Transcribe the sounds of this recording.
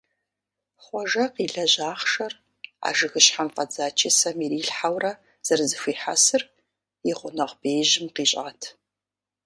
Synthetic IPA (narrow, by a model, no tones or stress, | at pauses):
χʷɔʒɐqiːɮɐʑaːχʃɐr | a̰ːʒɨɣɨɕħamfʼɐd͡zaːt͡ʃʰɪsɐmiɾiːɬħawrɐ | z̥ɐrzɨxʷiːħasɨr | iʁʷʊnɐʁbejʑɪmqiːɕʼaːtʰ